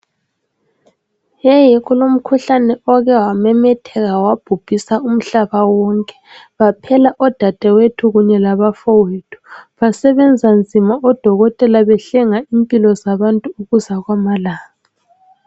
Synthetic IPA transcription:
jɛjɛɣulom̩kʰuɬanɛɔɣɛwamɛmɛtʰɛɣawab̥ʱub̥ʱisaum̩ɬaβawɔŋkʼɛ̥βapʰɛlaʔɔd̥ʱad̥ʱɛwetʰuɣuɲɛlaβafɔwitʰu̥βasɛβɛnd͡zʱand͡zʱimaʔɔd̥ʱɔɣɔtʼɛlaβɛɬɛŋaimpʼilɔzaβantʼuːɣuzaɣwamalaːɣa

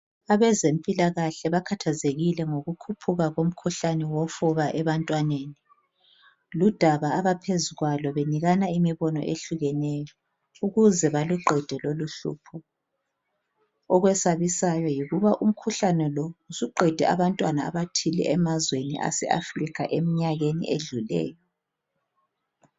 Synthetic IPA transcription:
aβɛzempʼilaɣaɬɛβakʰatʰazeɣilɛŋoɣukʰupʰuɣaɣom̩kʰuɬanɛwɔfuβaʔɛβantʼwaneni | lud̥ʱaβaːβapʰezuɣwalɔβeniɣanaimiβɔnɔ̰ʔeɬuɣɛnɛjɔ | uɣuzɛβaluǃɛd̥ʱɛloluɬṵːpʰɔ | ɔɣwɛsaβisajɔjiɣuβaʔum̩kʰuɬanɛlɔusuǃɛd̥ʱɛa̰βantʼwanaa̰βatʰilɛ̰ʔɛmazwenḭʔa̰sɛ̰a̰frikʰaʔemiɲaɣenḭʔeɮulɛ̰ːjɔ

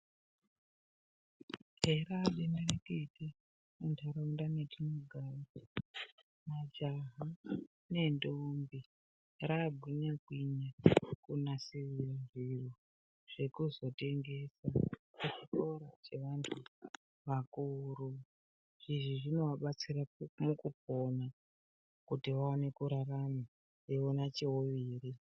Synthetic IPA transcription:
ɦeɾaɗenarekete | untʰaɾaundanetʰimuɡʱaːli | mad͡ʒaɦa | ne̞ndombi | raɡʱiɲakwiɲakunasiʋiranʐiru | ʐ̥e̞kuzo̞te̞ŋɡe̞sakut͡ʃikoɾat͡ʃe̞ʋantʰu | ʋakuɾu | ʐ̥iʐiʐino̞waɓat͡siɾamukup̚ona | kutiʋaone̞kuɾarama | eonat͡ʃewoʋiːɾi

